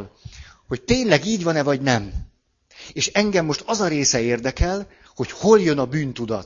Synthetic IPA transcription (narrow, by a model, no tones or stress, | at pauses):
lho̞ct̪eːɲlɛɡiːɟvɒnɛvɒɟnɛm | eːʃɛŋɡɛmːo̞ʃt̪ɒzɒɾeːsɛeːrd̪ɛkɛl | ho̞cho̞ljø̞nɒbyːnt̪ud̪ɒ̰t̪